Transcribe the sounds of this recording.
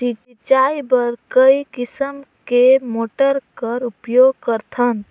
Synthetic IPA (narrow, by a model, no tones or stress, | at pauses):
sit͡ʃit͡ʃajbəɾkəikisəmkemoʈəɾkəɾupjoɡ̚kəɾt̪ʰən